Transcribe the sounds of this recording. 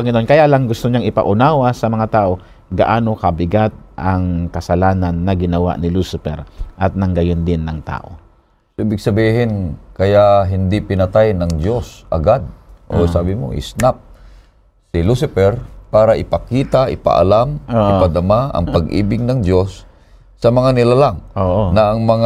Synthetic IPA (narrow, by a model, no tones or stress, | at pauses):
pɐŋɪnoʔonkɐjalaŋɡʊst̪oɲaŋɪpa̰ʔʊnaːwasɐmɐŋat̪aːʔo̞ | ɡɐ̰ʔaːno̞kɐbɪɡat̪̚ʔɐŋkɐsɐlaːnanːɐɡɪnɐwa̰ʔnɪlusɪpɛ̰ɾʔɐt̪̚nɐŋɡɐjond̪ɪnːɐŋt̪a̰ːʔo̞̰ | soʔɪbɪɡ̚sɐbiːhɪnkɐjaʔɦɪnd̪ipɪnɐt̪ajnɐŋdjosʔɐ̰ɡad̪̚ʔosaːbɪmo̰ʔɪ̰snap̚ | sɪlusɪpɛɾpaːɾaʔɪpɐkiːt̪aʔɪpa̰ʔa̰lamoʔpad̪ɐmaɐ̰ŋpɐɡʔḭːbɪɡ̚nɐŋd̪osː | ɐmɐŋanɪlalaŋoːʔonɐːŋmɐŋ